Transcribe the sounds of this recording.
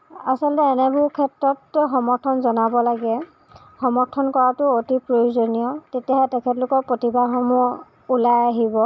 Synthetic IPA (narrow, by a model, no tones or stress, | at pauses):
asɔltɛːnɛbʱukʰɛtɹɔtxɔmɔɹtʰɔnzɔnabɔlaɡɛ | xɔmɔɹtʰɔnkɔɹatʊotipɹojuzonijɔtetijaɦɛtɛkʰɛtlʊkɔɹpɹotibaɦɔmɔ | ulajaɦibɔ